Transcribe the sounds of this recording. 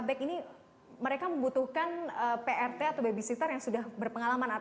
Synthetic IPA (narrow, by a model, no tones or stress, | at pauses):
bɛkini | məɾekaməmbut̪uhkanəpeʔɛrt̪eat̪awbebisit̪ərjaŋsudahbərpəŋalamana